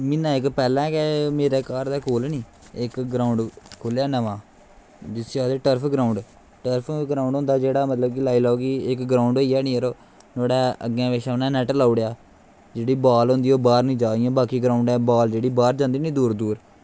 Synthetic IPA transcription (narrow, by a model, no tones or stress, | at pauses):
mɪnãːɪkpɛːlɛ̃ːkɛmeːɾeːkaːɾd̪ɛːkʰoːlnĩː | ɪkɡɾaːʊɳɖkʰoljaːnəʋãː | d͡ʒɪsiaːd̪eːʈəɾpʰɡɾaːʊɳɖ | ʈəɾpʰɡɾaːʊɳɖɦʊ̃nd̪aːd͡ʒeːɽaːmət̪ləb̚kɪlaːiːlaoːɡiːɪkɡɾaːʊɳɖoiːɛːnĩːəɾoː | noːɽɛːə̰ɡɛ̃ːʋeːʃaːnɛ̃ːnɛːʈlaːʊɽejaː | d͡ʒeːɽiːbaːlɦʊ̃ːnd̪iːoːbaːɾnĩːd͡ʒaːd̪ijãːbaːkiːɡɾaːʊɳɖɛ̃ːbaːld͡ʒeːɽiːbaːɾd͡ʒãːnd̪iːnĩːd̪uːɾd̪uːɾ